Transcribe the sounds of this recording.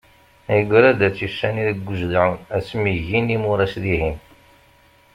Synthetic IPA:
æjəɡʷɾæd̪æt͡sːjusːæniɾəɡʷːuʒðʕunæsmiʝinimʊɾˤæsðihin

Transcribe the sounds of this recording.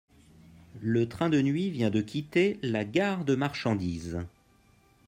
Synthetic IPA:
lət̪χɛ̃d̪ənɥivjɛ̃d̪əkʲit̪elaɡaʁd̪əmaʁʃɑ̃d̪iːz

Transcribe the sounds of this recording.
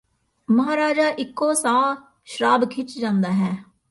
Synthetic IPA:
məɦaːɾaːd͡ʒaːʔɪkːoːsãː | ʃəɾaːbkʰɪt͡ʃd͡ʒãːnd̪aːɦɛː

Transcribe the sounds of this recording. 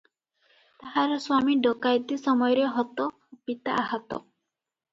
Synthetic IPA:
t̪aɦaɾswamiɖɔkajd̪isɔmɔjɔɾeɦɔt̪ɔ | pit̪aʔaɦat̪ɔ̰

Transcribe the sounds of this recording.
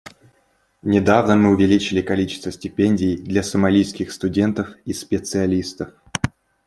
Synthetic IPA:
nʲɪd̪avnəmɨʊvʲɪlʲit͡ɕɪlʲɪkɐlʲit͡ɕɪ̥st̪vəsʲtʲɪpʲenʲdʲɪjd̪lʲɐsəmɐlʲijskʲɪxst̪ʊdʲe̞nt̪əfispʲɪt̪sɨɐlʲist̪əf

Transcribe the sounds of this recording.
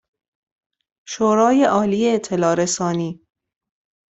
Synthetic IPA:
ʃoːɾɒːjeʔɒːliːeːt̪ʰːe̞lɒːɾesɒːniː

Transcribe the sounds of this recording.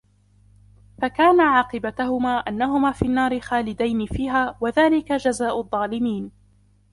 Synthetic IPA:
fakaːnaʕɑːqɨbat̪ahʊmaːʔanːaɦʊmaːfiːnːɑːɾɪxaːlɪd̪ajnɪfiːɦaːwaðaːlɪkad͡ʒazaːʔʊðˤːɑːlɪmiːn

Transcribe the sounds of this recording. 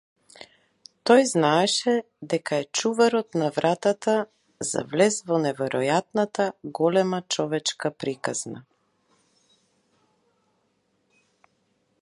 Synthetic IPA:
t̪ɔjznaɛʃɛ | d̪ɛkaɛt͡ʃuvaɾɔt̪navɾʔat̪at̪a | za̰vlɛzvɔnɛvɛɾʔɔjat̪nat̪aɡɔlɛmat͡ʃɔvɛt͡ʃkapɾikazna̰

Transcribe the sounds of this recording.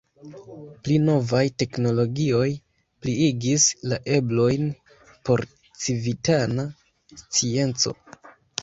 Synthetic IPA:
plino̞vajte̞kno̞lo̞ɡio̞j | pliiɡislaʔe̞blo̞jn | po̞ɾ | t͡sivitana | st͡sie̞nt͡so̞̰

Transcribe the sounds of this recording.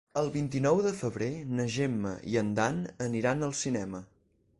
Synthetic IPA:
əlˠβint̪inɔwðəfəβɾenəʒemːə̰ḭənd̪anəniɾanəlˠsinɛmə

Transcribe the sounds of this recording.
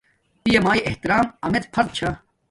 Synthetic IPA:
pijemaːiʔeht̪iɾaːmɐmet̪pʰɐɾd̪̚t͡ɕʰa

